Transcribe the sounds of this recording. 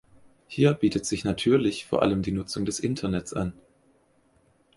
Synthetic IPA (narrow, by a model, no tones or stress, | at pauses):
hiːɐbiːtətz̥ɪçnatʰyːɐlɪçfoːɐʔa̰ləmdiːnʊt͡sʊŋdɛsʔɪ̰ntʰɐnɛtt͡sʔa̰n